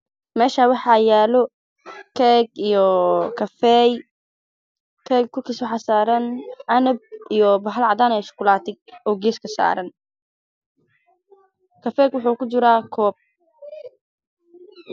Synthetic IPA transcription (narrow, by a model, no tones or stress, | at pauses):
mɛːʃaːwɑħɑjaːlɔ | kʰɛɡijɔkʰɐfɛj | kʰɛːɡ̚kʰːʊkiswɑħɑːsaːɾɐnʔɐnɐb̚ijɔbɐɦɐlʕɑd̪aːnɛːʃʊ̥kʰʊlaːt̪ɪɡ̚ɔːɡɛːskʰɐsa̰ːɾɐn | kʰɐfɛːɡwʊħuːkʊt͡ʃɪɾaːkʰɔːb̚